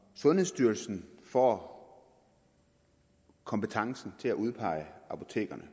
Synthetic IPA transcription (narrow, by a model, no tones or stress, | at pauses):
sɔ̽nhe̝sd̥yɐlsn̩fɒ̰ː | kʰɒ̽mb̥ət͡sʰɑ̈ŋsn̩t͡sʰe̝læʔuð̞ˠpʰɑ̈ɪ̰ɑ̈pʰo̝̥t͡sʰe̝̰ːɡ̥ɐnə